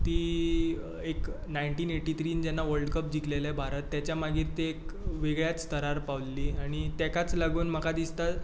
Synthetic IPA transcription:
t̪iː | eknajɳʈiːneʈit̪ʰɾiːnd͡ʑɛnːaʋəɭɖkəp̚d͡ʑiklelebʱaɾət̪ːjat͡ɕjamaɡiːɾt̪eekʋeɡɭjat͡st̪əɾaɾpaʋlliːaɽ̃it̪jɛkat͡slaɡuːnm̤əkad̪ist̪at̪

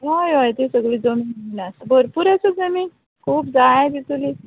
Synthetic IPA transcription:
ɦojojt̪esəɡɭiːd͡zomiinasbəɾpuɾat͡səd͡zəmi | kʰuːp̚d͡zaed̪it̪uli

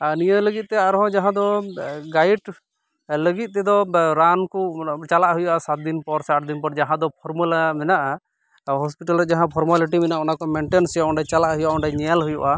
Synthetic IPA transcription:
anijələɡit̪̚t̪ɛaɾɦɔ̃d͡ʒaɦãd̪ɔɡajʈ | ləɡit̪̚ˀt̪ɛd̪ɔɾankut͡ʃalaʔɦujuʔasat̪̚d̪inpɔɾsaʈd̪inpɔɾd͡ʒaɦãd̪ɔpʰɔɾmulamɛnaʔa | ɦɔspiʈalɾɛd͡ʒaɦãpʰɔɾmaliʈimɛnaʔɔnakɔmɛɳʈensɛjaɔ̃ɳɖajt͡ʃalaʔɦujuʔaɔɳɖajɲɛalɦujuʔa

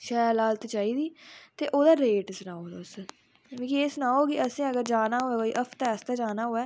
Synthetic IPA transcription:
ʃɛːlaːlt̪et͡ʃaːiːd̪iːt̪eːʔoːd̪aːɾeːʈsʊnaːoːd̪aːʊs | ʋẽːkieːsʊnaːoːkɪʔəsĩːəɡəɾd͡ʒaːnaːɦoːɛːkoːiːʔəpʰt̪ɛːəst̪aːd͡ʒaːnaːɦoːɛː

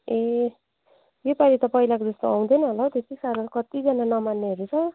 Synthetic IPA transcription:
e | jepalit̪ʌpʌilakod͡zʌst̪oaw̃d̪ʌnʌɦʌlawt̪et̪isaɾʌkʌt̪id͡zʌnanʌmanːeɦʌɾut͡sʰʌ

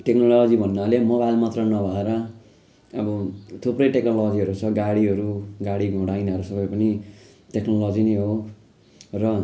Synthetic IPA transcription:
ʈeknollʌd͡zibʱʌnːalemoβajlmʌt̪rʌnʌbʱʌeɾʌː | bʌt̪ʰuprʌjʈeknolʌd͡ziɦʌɾut͡sʰʌɡaɽiɦʌɾuɡaɽiɡʱʌɽajnʌɾusʌbʌjpʌni | ʈeknolʌd͡zinʌjɦo | rʌ

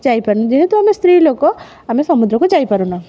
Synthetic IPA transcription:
d͡ʒajpəɾnad͡ʒeɦẽt̪uamest̪ɾiloko | amesɔmud̪ɾɔkod͡ʒajpəɾuna

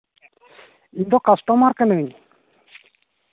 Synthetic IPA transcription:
iɲd̪ɔkasʈɔmaɾkanəwiɲ

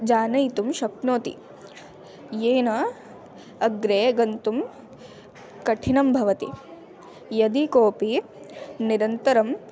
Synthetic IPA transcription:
d͡ʒaːnɐjt̪umʃɐknoːt̪ḭ | jeːnɐ | ɐɡɾeːɡɐnt̪um | kɐʈʰinɐmbʱɐʋɐt̪ḭ | jɐd̪ikoːpi | niɾɐnt̪ɐɾɐm

